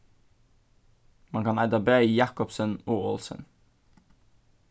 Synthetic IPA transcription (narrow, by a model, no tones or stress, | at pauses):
mɑnkɑnæɪd̪ɑbɾœʏijɑkɔpsənoːoːlsə̰n